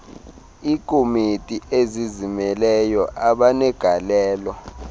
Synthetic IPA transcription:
iːkʰʼomitʼiʔezizimɛlɛjɔʔaɓanɛɡ̥ʱalɛːlɔ

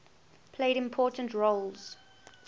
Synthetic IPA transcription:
pʰleɪɾɪ̃mpʰɔːˑtə̃ntɹoʊlz̥

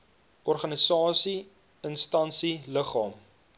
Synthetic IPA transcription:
ʔɔrχɐnisɑːsi | ənstɐnsiləχɑːm

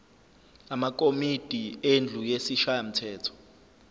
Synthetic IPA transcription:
amak̬ʼomid̥ʱiend͡ɮʱujesiʃajam̩tʰɛːtʰɔ̥

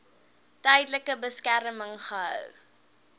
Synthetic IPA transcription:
tœjdləkəbəskæɾəməŋχəə̰w

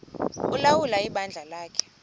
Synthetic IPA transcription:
ulawulaiɓand͡ɮʱalaːkʰɛ̥

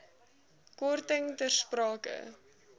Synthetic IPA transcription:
kɔrtəŋtərsprɑːkə̰

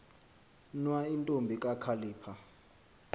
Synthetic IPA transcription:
nwaintʼombʱikʼakʰaliːpʰa

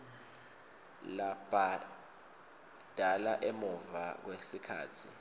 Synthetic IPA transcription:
lab̥ʱa | d̥ʱalaʔemuvak̬wesikʰa̰ːtʰi

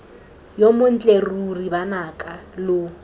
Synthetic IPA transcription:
jomʊn̩t͡ɬʼeruribanakʼalʊ

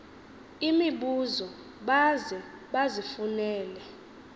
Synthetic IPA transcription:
imiɓuzɔ | ɓazɛɓazifunɛːlɛ

